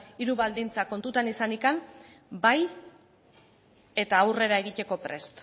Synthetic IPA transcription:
iɾuβald̪int͡sako̞nt̪ut̪anisanikam | baj | e̞t̪aːwre̞ɾae̞ɣit̪e̞ko̞pɾe̞st̪

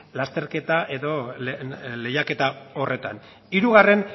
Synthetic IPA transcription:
last̪e̞ɾke̞t̪aʔe̞ðo̞lle̞jake̞t̪ao̞re̞t̪a̰n | iɾuɣare̞n

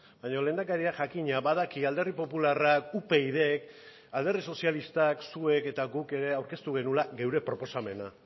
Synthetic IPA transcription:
baɲo̞le̞ːnd̪akaɾiaʝakiɲaβað̞akiald̪e̞ripo̞pularakupe̞iðe̞k | ald̪e̞rðiso̞sialist̪aksue̞ke̞t̪aɡuke̞ɾe̞awɾke̞st̪uɣ̞e̞nulaɣe̞wɾe̞pɾo̞po̞same̞na̰

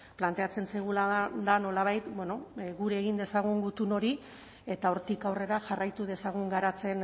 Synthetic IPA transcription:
plant̪e̞at͡se̞nsajɣ̞ulad̪ano̞laβ̞ajt̪bwe̞no̞ɣuɾeːɣind̪e̞saɣ̞uŋɡut̪uno̞ɾi | e̞t̪aoɾt̪ikawre̞ɾaʝarajt̪uð̞e̞saɣ̞uŋɡaɾat͡se̞n

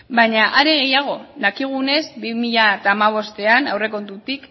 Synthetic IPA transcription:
bajɲaʔaɾeɣ̞e̞jaɣ̞o̞ðakiɣ̞une̞zbimiʎat̪aːmaβ̞o̞st̪e̞anawre̞ko̞nt̪ut̪ik

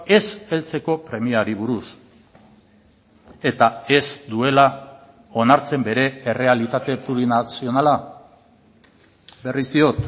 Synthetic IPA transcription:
e̞se̞lt͡se̞ko̞pɾe̞miaɾiβ̞uɾus | e̞t̪ae̞zd̪ue̞la | o̞naɾt͡se̞mbe̞ɾe̞ːre̞alit̪at̪e̞puɾinasio̞nala | be̞risd̪io̞t̪

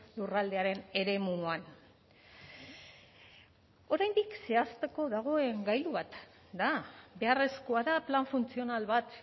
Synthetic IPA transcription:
lurald̪e̞aɾe̞ne̞ɾe̞muan | o̞ɾajnd̪ikse̞ast̪e̞ko̞ðaɣ̞o̞e̞ŋɡajluβat̪ | d̪abe̞are̞sko̞aðaplaɱfunt͡sio̞nalβat̪

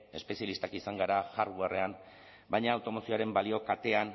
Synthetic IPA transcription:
e̞spe̞sjalist̪akisaŋɡaɾaʝarɣuare̞an | bajɲaːwt̪o̞mo̞sioaɾe̞mbalio̞kat̪e̞an

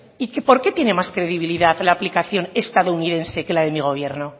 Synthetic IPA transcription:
ikepo̞ɾke̞t̪je̞ne̞maskɾe̞ðiβ̞iliðaðlaːplikaθjo̞nest̪aðouniðẽ̞nse̞ke̞laðe̞miɣ̞o̞β̞je̞ɾno̞

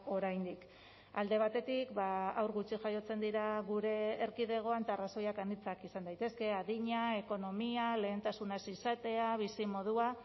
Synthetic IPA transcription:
o̞ɾajnd̪ik | ald̪e̞β̞at̪e̞t̪ikbaawɾɣut͡ʃiʝajo̞t͡se̞nd̪iɾaɣ̞uɾe̞ːɾkið̞e̞ɣ̞o̞ant̪aːraso̞jakanit͡sakisand̪ajt̪e̞ske̞aðiɲae̞ko̞no̞miale̞ːnt̪asunasisat̪e̞aβ̞isimo̞ð̞ua

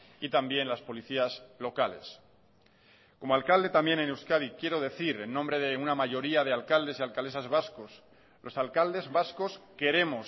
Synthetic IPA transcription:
it̪ambje̞nlaspo̞liθiazlo̞kale̞̰s | ko̞moalkald̪e̞t̪ambje̞nenewskaðikje̞ɾo̞ð̞e̞θiɾe̞nːõmbɾe̞ðe̞unamaʝo̞ɾiaðe̞alkald̪e̞sialkaldesazβaskos | lʔo̞salkald̪e̞zβasko̞ske̞ɾe̞mos

